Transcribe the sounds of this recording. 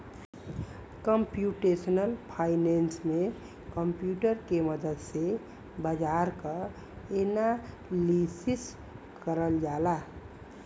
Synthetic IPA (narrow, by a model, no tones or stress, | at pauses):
kəmpjuʈesnəlpʰaɪnensme | kəmpjuʈəɾkeməd̪əd̪se | bəd͡ʒaɾkə | ena | lisis | kəɾəld͡ʒala